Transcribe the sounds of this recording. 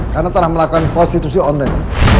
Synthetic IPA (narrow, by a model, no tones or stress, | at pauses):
karnat̪əlahməlakukanpɔst̪it̪usiɔnlaŋ